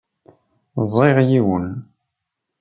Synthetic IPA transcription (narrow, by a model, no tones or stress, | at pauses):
zˤeʁjiwən